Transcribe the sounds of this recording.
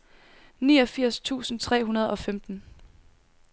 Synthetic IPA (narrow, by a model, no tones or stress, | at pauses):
niːɒ̽fiɐ̰st͡sʰṵːsn̩t͡sʰʁɛ̰ːɦunɐð̞ˠɒ̽femd̥n̩